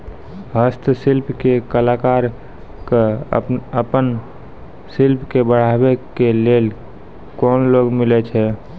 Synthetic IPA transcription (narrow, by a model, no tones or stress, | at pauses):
ɦəst̪ʰsɪlpkekəlaːkaːɾ | ke | əpən | sɪlpʰkebəɽ̤abekeleːl | kɔːnloːɡmɪlet͡ʃʰɛ